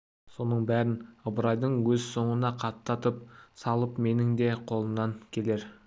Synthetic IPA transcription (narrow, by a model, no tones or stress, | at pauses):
so̞nəɴbæɾɪnəbəɾɑjd̪əɴwɵzso̞ɴənɑqʰɑtt̪ːɑt̪əp̚sɑlˠəpme̞nɪŋd̪e̞qʰo̞lˠənːɑŋkʲʰe̞le̞ɾ